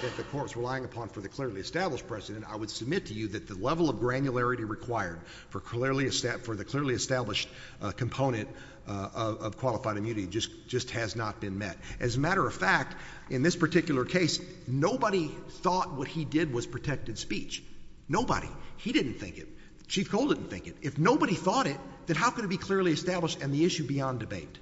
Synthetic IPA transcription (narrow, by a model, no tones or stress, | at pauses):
ðɨt̪̚ðɨkʰɔɹtsɹəlaɪɪ̃ŋɨpʰɑ̃nfə˞ðɨkʰl̥ɪɹlˠiɨstæbləʃ̚pʰɹ̥ɛzɨɾɨ̃nta̰ɪwɨd̥sɨb̚mɪtʰɨjɨðɨt̪̚ðɨlɛvl̩ˠʌvɡɹæ̃njɨlɛɹɨɾiɹɨkʰw̥aɪə˞d̥ | fə˞kʰɪɹliɨstæfə˞ðɨkʰl̥ɪɹlˠiɨstæbləʃt̚ | kʰɨ̃m̩pʰõʊ̃ñɨ̃nt | ʌʌv̥kʰw̥ɑlˠəfaɪɾɨmjʉnɨɾid͡ʒʌsd̥ʒ̥ʌst̚hɨznət̚b̥ɨ̃nmɛɾʔɨzɨmæɾə˞ʌv̥fæk̚t | ʔɨ̃nðɪspə˞tʰɪkjl̩ˠə˞kʰeɪs | noʊbəɾiθɔt̚wʌt̚hidɪd̚wʌz̥pʰɹ̥ɨtʰɛk̚tɨd̥spit͡ʃ | noʊbə̰ɾḭhidɪdⁿn̩θɪ̰̃ŋkɨ̰t̚ | ʃifkʰoʊlˠdɪdⁿn̩θɪ̰̃ŋkɨt̚ɨfnoʊbəɾiθɔɾɪt̪̚ðɨ̃nɦaʊkɨ̃nɨt̚b̥ikʰl̥ɪɹlˠiɨstæbləʃtɨ̃nðiɪʃʉbiɑ̃ndɨbeɪt